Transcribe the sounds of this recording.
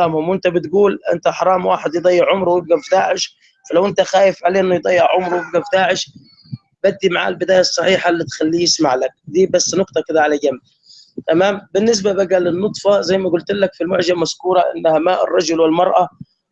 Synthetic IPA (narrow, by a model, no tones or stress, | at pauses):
aːmhʊmwɪnt̪abɪt̪ɡuːlʔɪ̰nt̪aħɑɾˤɑːmwa̰ːħɪd̪jd̪ˤɑjːɪʕʕʊmɾˤwjɪb̚ɡafd̪aːʕɪʃ | falawʔɪnt̪axaːjɪfʕaleːʔɪnːʊjd̪ˤɑjːɪʕʕʊmɾˤwjɪb̚ɡafd̪aːʕɪʃ | bad̪ːimaʕa̰ːlbɪd̪aːjasˤːɑħiːħalːit̪xalːiːjɪsmaʕlak̚d̪iːbasːnʊqt̪ˤɑkɪd̪aʕalaɡamː | t̪amaːmbɪnːɪs̬babaɡalɪnːʊt̪ˤfɑzajːmaɡʊlt̪ɪlːakfilmʊʕʒamaskuːɾˤɑʔɪ̰nːhamaʔɪ̰rˤːɑd͡ʒʊlwɪlmɑɾˤʔɑ